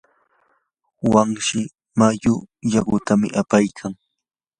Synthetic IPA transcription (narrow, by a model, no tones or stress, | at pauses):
waŋʃɪ | majʊjaɢʊt̪amɪ̰ʔapajkʰaŋ